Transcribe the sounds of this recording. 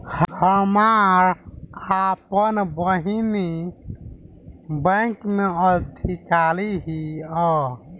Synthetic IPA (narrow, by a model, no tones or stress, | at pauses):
hhəmaɾɾapənbəɦini | bə̃kmeəd̪ʰʱikaliɦiɔ